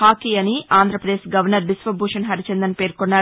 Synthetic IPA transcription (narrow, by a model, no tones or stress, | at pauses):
aːkiːɐniaːnd̪ɾɐpɾɐd̪eːʃɡɐʋɐɾnɐɾbisʋɐbʱuːʂɐnɦɐɾit͡ʃend̪ɐnpe̞ːɾkonːaː